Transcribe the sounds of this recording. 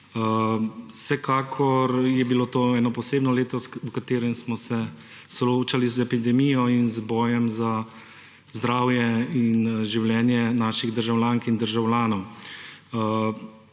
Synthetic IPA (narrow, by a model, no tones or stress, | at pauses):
ə | sɛkaːkʰɔɾjɛbilot̪oːɛːnɔpɔseːbnɔleːt̪ɔsukat̪eːɾɛmsmɔsɛ | sɔloːt͡ʃalizɛpid̪ɛmijɔinzbɔːjɛmza | zd̪ɾaːwjɛinʒiwljɛːnjɛnaːʃiɣd̪əɾʒawlʲjaːŋkind̪əɾʒawlʲjaːnɔw